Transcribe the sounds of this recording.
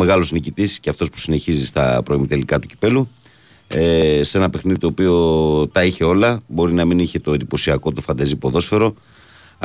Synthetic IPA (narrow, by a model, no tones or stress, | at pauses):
me̞ɣɐlo̞snicit̪isceɐft̪o̞spu̥sine̞çizist̪ɐ̰pɾo̞imit̪elikɐt̪uci̥pe̞lu | se̞nɐpe̞xniðit̪oːpio̞t̪ɐiçe̞o̞lɐbo̞ɾinɐminiçe̞t̪o̞end̪ipo̞siɐko̞t̪ofɐnd̪ɐzipo̞ðo̞sfe̞ɾo̞